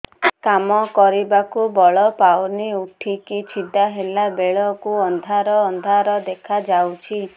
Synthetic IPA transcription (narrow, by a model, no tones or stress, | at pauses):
kamɔkɔɾibakubɔɭɔpawniuʈʰikit͡ʃʰid̪aɦelabeɭɔkuɔnd̪ʱaɾɔːnd̪ʱaɾɔd̪ekʰad͡ʒawt͡ʃʰi